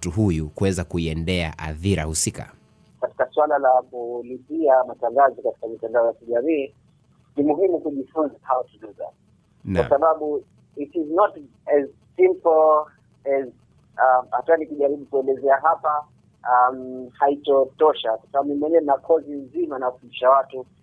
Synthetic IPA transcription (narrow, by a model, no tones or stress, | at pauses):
tuɦujukuwɛzakuiɛndɛa̰ʔa̰θiɾa̰husika̰ | kati̥kaswalalakulipiamataŋɡazɔkati̥kamitandaɔjakiʄamiː | nimuɦimukuʄifunzahaɔtuɗuza̰ | nwa̰saɓaɓu | itiznɔt | ɛz | sĩmpl̩ | ɛz | ahatuanikuʄaɾiɓukuɛlɛzɛaɦapa | amhaitɔtɔʃakwḁsaɓaɓunmwɛɲɛwɛnakʰɔzinzimanawafundiʃawatu